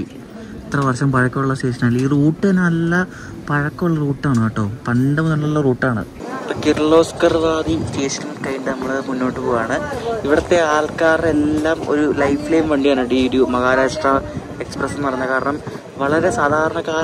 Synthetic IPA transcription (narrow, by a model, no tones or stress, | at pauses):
i | it̪rɐʋɐrɕɐmpɐɻɐkːɐmuɭːɐseːʂɐnaːiliːruːʈːɨenɐlːɐ | pɐɻɐkːɐuɭːɐruːʈːaːɳɨaːʈːoːmpɐndɐmnɐlːɐlːɐruːʈːaːɳɨ̰ | pːɐkirɭo̞ːskɐrʋaːd̪it͡ɕeːsi̥kʲːɐnːɐkɐjnɖɨnɐmːɐɭɐmunːo̞ːʈːɨpoːjaːɳɨiʋiɽɐt̪ːe̞aːlkaːre̞lːaːmo̞̰ɾulɐjflejmʋeːɳɖijaːɳɐɽiɽjumɐɣaːɾaːʂʈra | eksprɐsɨnpɐrɐjuɲnːɐkaːɾɐɳɐm | ʋɐɭɐɾe̞saːd̪ʱaːɾɐɳɐkaːɾɐ